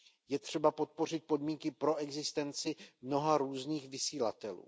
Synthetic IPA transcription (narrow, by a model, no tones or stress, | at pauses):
jɛt̪r̝̥ɛbapo̞t̪̚po̞r̝ɪt̪̚po̞dmiŋkɪpɾo̞ʔɛɡzɪst̪ɛnt͡sɪmno̞ɦaɾuːzniːxvɪsiːlat̪ɛlṵː